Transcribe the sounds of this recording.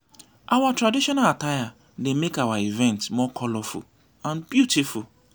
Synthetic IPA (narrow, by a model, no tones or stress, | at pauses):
ʔawatɾadiʃɔnalataja | demekawaivɛ̃ntmɔkʰɔlɔfṵl | ãnbjutiful